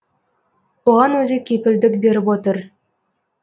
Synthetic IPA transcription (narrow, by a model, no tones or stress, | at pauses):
uʁɑnɵzʲekʲipɘ̆lʲd̪ɘkbʲeɾʲɘpot̪ɤ̆r